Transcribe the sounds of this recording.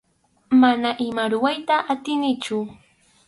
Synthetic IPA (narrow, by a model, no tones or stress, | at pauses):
manaʔɪmaɾʊwajt̪aʔːt̪ɪnɪt͡ʃʊ